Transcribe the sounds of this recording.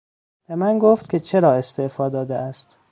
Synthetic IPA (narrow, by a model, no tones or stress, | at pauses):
b̥emænɡoft̪̚kʲʰe̞t͡ʃʰeɾɒːe̞st̪efɒːd̪ɒːd̪eæst̪